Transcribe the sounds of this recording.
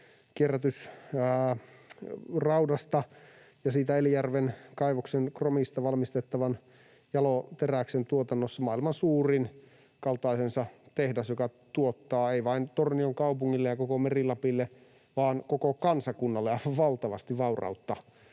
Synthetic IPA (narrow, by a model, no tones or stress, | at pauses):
kierːæt̪ys | rɑudɑst̪ɑ | jɑsiːt̪æelijærʋenkɑiʋoksenkromist̪ɑʋɑlmist̪et̪ːɑʋɑn | jɑlot̪eræksent̪uot̪ɑnːosːɑmɑːilmɑnsuːrin | kɑlt̪ɑisensɑt̪ehdæsjokɑt̪uot̪ːɑːeiʋɑint̪ornioŋkɑupuŋːilːejɑkokomerilɑpilːe | ʋɑːnkokokɑnsɑkunːɑlːejɑʋɑlt̪ɑʋɑ̰st̪iʋʋɑurɑ̰ut̪ːɑ